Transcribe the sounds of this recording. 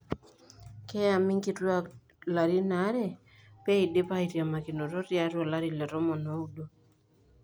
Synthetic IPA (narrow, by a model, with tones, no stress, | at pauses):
kɛ˦ja˨mi˦ŋɡi˦ɾwa˦ | la˨ɾi˦na˨˦ɾɛ˦˨ | pɛ˦i˨de˦pa˦i˨ɾja˨ma˨ki˨no˨ɾɔ˦ɾja˨ɾɔ˨la˦ɾi˨lɛ˨ɾɔ˦mɔ˨nɔ˨˦u˦do˦